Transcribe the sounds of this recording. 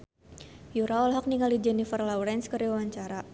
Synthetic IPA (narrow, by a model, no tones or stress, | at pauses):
juɾaɔlɦɔk̚niŋalid͡ʒɛnifərlawɾɛnskəɾiwawaɲt͡ʃaɾa